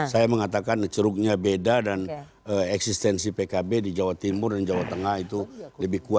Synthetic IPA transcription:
sajaməŋat̪akant͡ʃəɾʊk̚ɲabedadan | əɛksist̪ɛnsipekabedid͡ʒawat̪imʊrdand͡ʒawat̪əŋahit̪uləbɪhkua

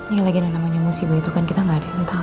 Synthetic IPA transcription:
laɡilaɡinaŋnamaɲamusibait̪ukankit̪aŋɡaːdaŋut̪a

